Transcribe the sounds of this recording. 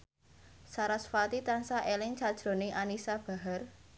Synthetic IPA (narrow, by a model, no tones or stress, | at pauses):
saɾasfat̪it̪ansaʔelɪŋt͡ʃad̥ʒ̥ɾo̤neʔanisab̥a̤ɦər